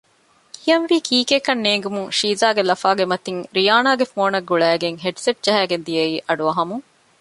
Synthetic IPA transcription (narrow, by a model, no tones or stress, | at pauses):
ijɐnʋiːkʰiːkekɐnːeːŋɡumuŋʃiːzaːɡelɐfaːɡemɐt̪iŋɾijaːnaːɡefoːnɐɡːuɭæːɡeŋɦeʈseʈ̚d͡ʒɐɦæːɡend̪iɐiːʔɐɖuɐɦɐmuŋ